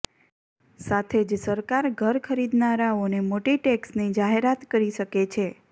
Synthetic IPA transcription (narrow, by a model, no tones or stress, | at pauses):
sat̪ʰed͡ʒsəɾkaɾɡʱəɾkʰəɾid̪naɾaonemoʈiʈeksnid͡ʒaɦeɾat̪kəɾiʃəket͡ʃʰe